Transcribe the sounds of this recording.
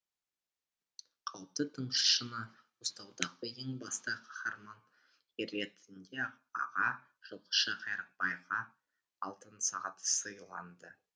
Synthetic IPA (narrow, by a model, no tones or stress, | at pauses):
qʰɑwp̚t̪ət̪ʰəɴʃə̥ʃənəwost̪ɑwd̪ɑʁəje̞ŋbɑst̪əqʰɑ̥χɑɾmɑn | ɾe̞t̪ɪnd̪eɑq | ɑ̰ʁɑ | ʒ̥olˠʁə̥ʃɑqʰɑjɾəq̚pɑjʁɑ | ɑlˠt̪ənsɑʁɑt̪səjlˠɑ̰nd̪ə